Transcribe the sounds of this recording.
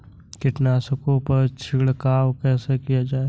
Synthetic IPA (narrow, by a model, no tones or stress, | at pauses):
kɪʈnaːsəkõpəɾt͡ʃʰɪɽkaːwkɛːsekijad͡ʒaːe